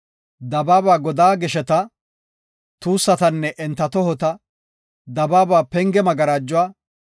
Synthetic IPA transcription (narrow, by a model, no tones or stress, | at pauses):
d̪ɐbaːbaːɡɔd̪aːɡɪʃɛt̪ɐ | t̪uːsːɐt̪ɐnːɛʔɛnt̪ːɐt̪ɔhɔt̪ɐ | d̪ɐbaːbaːpɛŋɡɛmɐɡɐɾaːd͡ʒːʊwaː